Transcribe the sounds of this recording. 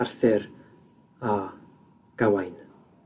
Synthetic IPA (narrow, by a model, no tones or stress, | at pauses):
arθɛɾ | a | ɡ̥awajn